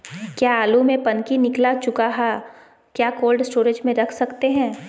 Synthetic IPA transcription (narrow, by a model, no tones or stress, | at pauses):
kjaːaːlumẽpɐnkinɪklat͡ʃʊkaɦa | kjaːkoːlɖsʈoːɾed͡ʒmẽɾɐkʰsɐkt̪eɦɛ̃ː